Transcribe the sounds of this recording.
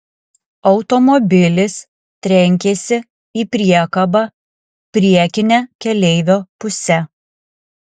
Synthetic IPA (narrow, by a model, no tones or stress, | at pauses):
ɒʊt̪ɔmɔbʲɪlʲɪs | t̪ʲɾʲɛŋʲkʲesʲɪ | iːpʲɾʲiɛkɐbɑː | pʲɾʲiɛkʲɪnʲɛkʲɛlʲɛɪʋʲoːpʊsʲɛ